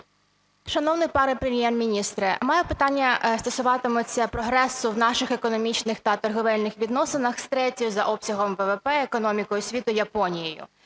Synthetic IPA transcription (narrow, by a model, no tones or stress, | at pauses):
ʃɐnɔwnɪjpɐɾɛpɾemʲjɛrmʲinʲist̪ɾɪmɑjɛpɪt̪ɑnʲːɐst̪ɔsʊʋɑt̪ɪmʊt͡sʲːɐpɾɔɦɾɛsʊwnɑʃɪxekɔnɔmʲit͡ʃnɪxt̪ɐt̪ɔrɦɔʋɛlʲnɪxʋʲid̪nɔsɪnɐxst̪ɾɛtʲijʊzɐʔɔpsʲɐɦɔmʋɛʋepɛekɔnɔmʲikɔjʊsʲʋʲit̪ʊjɐpɔnʲijijʊ̰